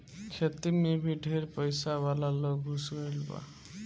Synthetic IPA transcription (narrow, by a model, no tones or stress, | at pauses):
kʰet̪imebʱiɖʱeɾpʌjsawalalɔɡʱusʌilba̰